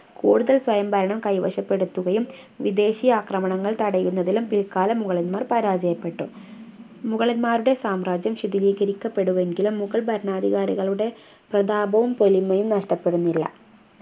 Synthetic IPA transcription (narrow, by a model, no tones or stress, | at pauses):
kuːɽuðɐlswɐjɐmbʱɐɾɐɳɐmkɐjʋɐɕɐpːe̞ɽut̪ːuɣɐjum | ʋid̪e̞ːɕijaːkrɐmɐɳɐŋːɐɭt̪ɐɽɐjunːɐðilumpilkaːlɐmuɣɐɭɐnmaːrpɐɾaːd͡ʑɐjɐpːe̞ʈːṵ | muɣɐɭɐnmaːɾuɽe̞saːmraːd͡ʑjɐmɕid̪iʋiːɣɐɾikʲːɐpːe̞ɽuʋe̞ŋɡilumːuɣɐɭbʱɐɾɐɳaːd̪ʱiɣaːɾiɣɐɭuɽe̞ | prɐd̪aːbʱɐʋumpo̞limːɐjumnɐʂʈɐpːe̞ɽunːilːɐ̰